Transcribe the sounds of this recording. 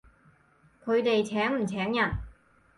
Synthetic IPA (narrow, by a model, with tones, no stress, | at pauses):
kʰɵ˨˧ɥt̪e˨jt͡sʰɛː˨˥ŋm̩˨˩t͡sʰɛː˨˥ŋjɐ˨˩n